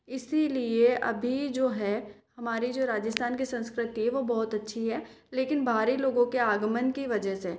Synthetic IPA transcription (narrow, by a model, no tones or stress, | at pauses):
ɪsilieʔɐ̰bʱid͡ʒoːɦɛhɐmaːɾid͡ʒoːɾaːd͡ʒəst̪ʰaːnkisɐ̃nskɾɪt̪iɦɛʋobɐɦʊt̪ɐtːʃʰiɦɛː | leːkɪnbʱaːɾiloːɡõkeaːɡmənkiʋɐd͡ʒəseː